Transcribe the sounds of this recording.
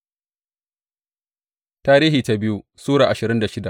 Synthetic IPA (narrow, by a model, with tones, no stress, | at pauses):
taː˦ɾiː˦ɦiː˨ta˦bɪ˦ju˦suː˦ɽaː˨ʔa˨ʃɪ˨ɾɪ˦nda˨ʃɪ˦da˨ʔ